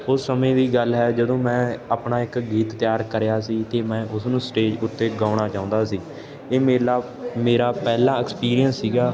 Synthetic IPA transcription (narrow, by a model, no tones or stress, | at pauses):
ʊsːəmẽːd̪iːɡəlɦɛːd͡ʒəd̪õːmɛ̃ːaːpɳaːɪkɡiːt̪ːɪjaːɾkəɾejaːsiːt̪eːmɛ̃ːʔʊsnũːsʈeːd͡ʒʊt̪ːeːɡaːʊɽaːt͡ʃaːʊ̃nd̪aːsiː | eːmeːlaː | meːɾaːpɛːlãːɪkspiːɾijənsːiːɡaː